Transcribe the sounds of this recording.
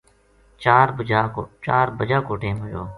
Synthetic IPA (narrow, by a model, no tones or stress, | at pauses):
t͡ʃaːɾaːt͡ʃaːɾbəd͡ʒaːkoːʈẽːməd͡ʒo̰ː